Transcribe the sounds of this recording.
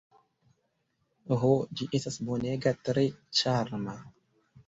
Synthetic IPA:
ɦod͡ʒiʔestasboneɡatɾet͡ʃaɾma

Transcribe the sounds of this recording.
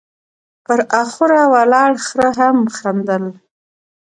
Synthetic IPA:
pəɾaxuɾawalɑɽxɾəɦamxand̪əl

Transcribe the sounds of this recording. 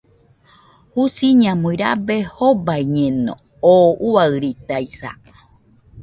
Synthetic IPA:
husiɲãmoiɾa̰behobaiɲẽnõ̰ | oʔuaɨɾit̪aisa̰

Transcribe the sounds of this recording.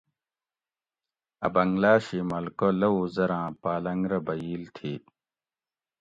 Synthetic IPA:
ɐ̰bɐŋɡlaːɕimɐlkolɐuzɐɾãːpaːlɐ̃ŋɡɾɐbɐiːlt̪ʰiː

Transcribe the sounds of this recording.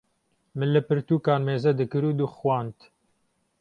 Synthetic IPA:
mɨnlɨpɨɾt̪uːkaːnmeːzɛd̪ɨkɨɾuːd̪uxwɑːnt̪

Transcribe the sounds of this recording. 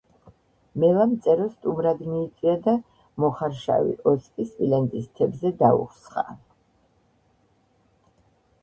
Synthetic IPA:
mɛlamt̪sʼɛɾɔst̪ʼumɾad̪miːt̪sʼwiad̪a | mɔχaɾʃa̰vḭʔɔskʼisvilɛnd̪ist̪ʰɛbzɛd̪aṵχsχa

